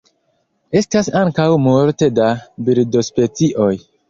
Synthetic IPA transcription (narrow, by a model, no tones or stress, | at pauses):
e̞stasaŋkawmoɾtedabiɾdospet͡siʔo̞j